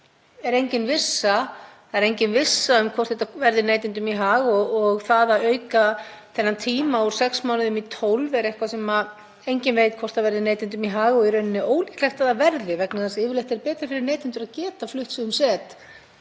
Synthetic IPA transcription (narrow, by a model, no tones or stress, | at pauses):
ɛɾejɲcɪnvɪsːa | aɛɾejɲcɪnvɪsːaʏmkʰɔr̥t̪heht̪avɛɾðɪneːjt̪ɪnt̪ʏmiɦaːɣɔɔɣθaðaœːɥkaθɛnːant̪ʰiːmauɾ̥sɛksmaːwnɪðʏmit̪ʰowlvɛɾejhkvasɛma | ejɲcɪnvejt̪̚kʰvɔrt̪avɛɾðɪneːjt̪ɪnt̪̬ʏmiɦaːɣɔɣiɾœɥnɪnːɪoːwliklɛht̪aðavɛɾðɪvɛknaðansɪːvʏɾlejht̪ɛɾpɛːt̪ɾɪfɪɾɪɾneːjt̪ɪnt̪ʏɾaðcɛːt̪aflʏht̪sʏðʏmsɛːt̪